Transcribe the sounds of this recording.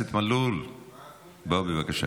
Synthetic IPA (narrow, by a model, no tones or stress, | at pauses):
et̪malul | baubevakaʃa̰